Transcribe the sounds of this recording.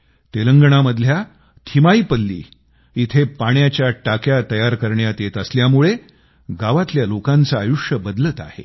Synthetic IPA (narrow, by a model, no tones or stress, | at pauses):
t̪eləŋɡəɳ̃aməd̪ʱlja | t̪ʰimaiːpəlːḭː | it̪ʰepaɳjat͡ɕjaʈakjat̪əjaɾkəɾɳjat̪et̪əsljamuɭe | ɡaʋat̪ljalokant͡saːjuʂjəbəd̪lət̪a̰hḛ